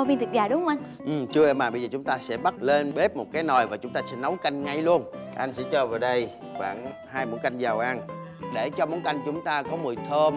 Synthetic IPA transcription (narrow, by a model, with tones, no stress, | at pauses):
ɔ˧˩vi˧nt̪ʰɨ˨˩t̚zaː˨˩ɗʊ˨˦ŋ͡mhʔa˧ŋ | ʔɨ˨˩mt͡ɕɨ˧əɛ˧˩maː˨˩ɓə˧zəː˨˩t͡ɕʊ˨˦ŋ͡mt̪aː˧sɛ̰˧˥ɓa˦˥t̚le˧nɓe˦˥p̚mo˨˩t̚kaː˨˦jnɔ˨˩jvaː˨˩t͡ɕʊ˨˦ŋ͡mt̪aː˧sɛ̰˧˥nə˨˦wka˧jŋ̟ŋa˧jlu˧ənʔa˧jŋ̟sɛ̰˧˥t͡ɕəː˧˩vaː˨˩wɗə˧j | xwa̰ː˧˩n | ɦaː˧jmo̰˧˥˦nka˧jŋ̟zaː˨˩wʔa˧n | ɗe˧˩t͡ɕɔ˧mo˨˦nka˧jŋ̟t͡ɕʊ˨˦ŋ͡mt̪aː˧kɔ˨˦mṵ˧˩jt̪ʰəː˧m